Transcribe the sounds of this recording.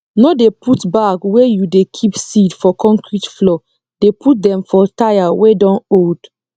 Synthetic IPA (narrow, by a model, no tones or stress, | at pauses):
nodeputbakwejudekʰipsidfɔkʰɔ̃ŋkɹitflɔ | d̥eput̚dɛ̃mfɔtajawedɔ̃nod̥